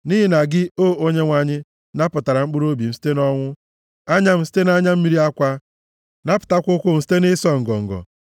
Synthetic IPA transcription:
ni˦ɦi˦na˨ɡɪ˦oː˦˨o˦ɲe˦ŋʷa˨ɲɪ˦ | na˦pʊ˨ta˨ɾa˨ŋ͡m̩˦k͡pʊ˦ɾo˦bi˨m̩˨si̥˦te˦nɔ˦ŋʷʊ˦ | a˦ɲa˦m̩˨si̥˦te˦na˦ɲa˦m̩˦mi˦ɾi˦a˦kʷa˦ | na˦pʊ̥˨ta˦kʷʊ˦kʷʊ˦m̩˨si̥˦te˦nɪ˦sɔ˦ŋ̩˨ɡɔ̰˨ŋ̩˨ɡɔ̰˨

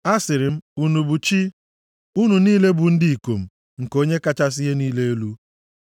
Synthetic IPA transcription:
a˦sɪ˨ɾɪ˨m̩˦u˨nu˨bu˨t͡ʃi˦ | u˦nu˨niː˦le˦bu˨n̩˦dɪ˦i˨ko˨m̩˨ | ŋ̩˨ko˦ɲe˦ka˦t͡ʃa˦s̬ɪ˦ɦe˦niː˦le˦e˦lu˦

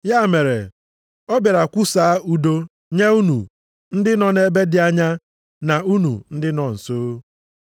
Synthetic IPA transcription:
ja˦˨me˨ɾḛ˨ | ɔ˦be˨ɾa˨kʷʊ˦saː˨˦a˦u˦do˦ | ɲe˦u˦nṵ˨ | n̩˦dɪ˦nɔ˨n˦e˦be˦dɪ˨˦a˦ɲa˦ | na˨u˦nṵ˨n̩˦dɪ˦nɔ˨n̩˨soː˦

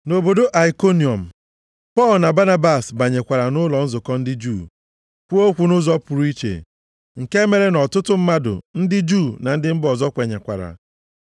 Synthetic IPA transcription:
no˨bo˨do˦ʔa˨i˨ko˦ni˨ɔ˨m̩˨ | pɔ˦˨lna˨ba˦na˦ba˨sba˨ɲe˨kʷa˨ɾa˨nʊ˦lɔ˨n̩˦zʊ˨kɔ˦n̩˦dɪ˦d͡ʒu˦˨ | kʷu˦o˦kʷu˨nʊ˦zɔ˦pʊ˨ɾu˦i˦t͡ʃḛ˨ | ŋ̩˨ke˦me˨ɾe˦nɔ˨tʊ˦tʊ˦m̩˦ma˦dʊ̰˨n̩˦dɪ˦d͡ʒuː˦˨na˨n̩˦dɪ˦m̩˦bɔ˨zɔ˦kʷe˨ɲe˨kʷa̰˨ɾa̰˨

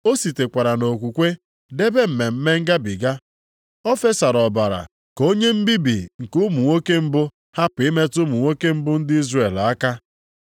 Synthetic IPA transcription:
o˦si˨te˨kʷa˨ɾa˨no˨kʷu˨kʷe˦ | de˦be˦m̩˨me˨m̩˦me˦ŋ̩˦ɡa˦bi˨ɡa˦ | ɔ˦fe˦sa˨ɾɔ˨ba˨ɾa̰˨ | ko˦ɲe˦m̩˦bi˦bi˨ŋ̩˨kʊ˦mu˨ŋʷo˦ke˦m̩˦bʊ˦ | ha˦pɪ˦me˦tʊ˦mu˨ŋʷo˦ke˦m̩˦bʊ˦n̩˦dɪ˦i˦zre˦˨la˦ka˦

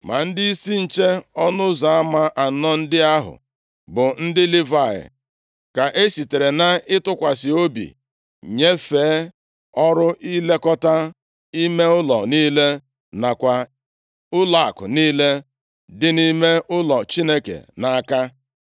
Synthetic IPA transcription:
ma̰˨n̩˦dɪ˦i˦si˦n̩˨t͡ʃe˦ɔ˦nʊ˦za˨a˦ma˦ʔa˨nɔ˦n̩˦dɪ˦a˦ɦʊ̰˨ | bʊ˨n̩˦dɪ˦li˦va˨ɪ̰˨ | ka˨ʔe˦si˨te˨ɾe˨na˦ɪ˦tʊ˦kʷa˨sɪ˨o˦bḭ˨ | ɲe˦feː˨˦ | ɔ˦ɾʊ˦ʔi˦le˦kɔ˦ta˦ | i˦me˦ʊ˦lɔ˨niː˦le˦ | na˨kʷa˨ | ʊ˦la˦˨a̰˨kʊ̰˨niː˦le˦ | dɪ˦ni˦me˦ʊ˦lɔ˨t͡ʃi˦ne˦kḛ˨na˨˦ka˦

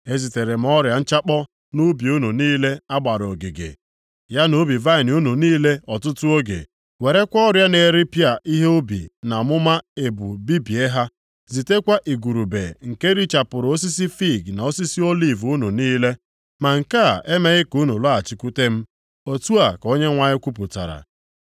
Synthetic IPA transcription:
e˦zi˨te˨ɾe˨m̩˨ɔ˦ɾja˨n̩˦t͡ʃa˦k͡pɔ˦ | nu˦bi˨u˦nu˨niː˦le˦a˦ɡ͡ba˨ɾo˨ɡɪ˨ɡḛ˨ | ja˦no˦bi˨va˦ɪ˨n˨u˦nu˨niː˦le˦ɔ˨tʊ˦tʊ˦o˦ɡḛ˨ | we˨ɾe˦kʷɔ˦ɔ˦ɾja˦ne˨ɾi˦pja˨ʔi˦ɦe˦o˦bḭ˨na˨mʊ˦ma˦e˨bṵ˨bi˦bi˨e˦ɦa˦ | zi˨te˦kʷa˦ʔi˨ɡu˨ɾu˨bḛ˨ŋ̩˨ke˦ɾi˦t͡ʃa˨pʊ˨ɾo˦s̬i˦si˦fi˦˨ɡna˨o˦si˦si˦o˦li˦˨vu˦nu˨niː˦le˦ | ma˨ŋ̩˨ka˦˨ʔe˦me˨ɣɪ˦ku˦nu˨la˦a˨t͡ʃi˦ku˦te˦m̩˦ | o˦tu˦a˨ko˦ɲe˦ŋʷa˨ɲɪ˦kʷu˦p̬ʊ˨ta̰˨ɾa̰˨

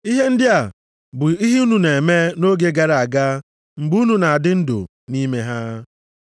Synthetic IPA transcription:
i˦ɦe˦n̩˦dɪ˦a˨ | bʊ˨i˦ɦi˦u˦nu˨ne˨e˨me˦no˦ɡe˦ɡa˨ɾa˨a˨ɡa˦ | ŋ͡m̩˨ɡ͡bu˦u˦nu˨na˨a˨dɪ˦n̩˦do̰˨ | ni˦me˦ɦa˦

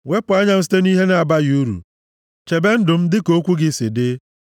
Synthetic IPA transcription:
we˦pʊ˨a˦ɲa˦m̩˦s̬i̥˦te˦ni˦ɦe˦na˨a˨ba˦ju˦ɾṵ˨ | t͡ʃe˨be˦n̩˦dʊ˨m̩˦dɪ˦ko˦kʷu˦ɡɪ˦sɪ˨dɪ˦

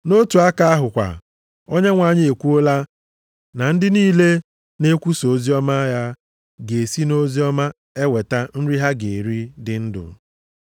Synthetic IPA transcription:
no˦tu˨a˦ka˦a˦ɦʊ˨kʷa̰˨ | o˦ɲe˦ŋʷa˨ɲɪ˦e˨kʷu˦o˦la˦ | na˨n̩˦dɪ˦niː˦le˦ | ne˦kʷu˦so˨˦zi˦ɔ˦ma˦ja˦ | ɡe˨si˦no˦zi˦ɔ˦ma˦ | e˦we˨ta˦n̩˦ɾi˦ɦa˦ɡe˨ɾi˦dɪ˨n̩˦dʊ̰˨

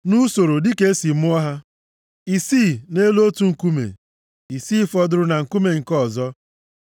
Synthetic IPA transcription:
nu˦so˨ɾo˨dɪ˦ke˦e˦si˨mʊ˦a˦ɦa˦ | i˨siː˦˨ne˦lo˦tu˨ŋ̩˨ku˦mḛ˨ | i˨siː˦fɔ˦dʊ˦ɾʊ˦na˨ŋ̩˨ku˦me˨ŋ̩˨kɔ˦˨zɔ˦

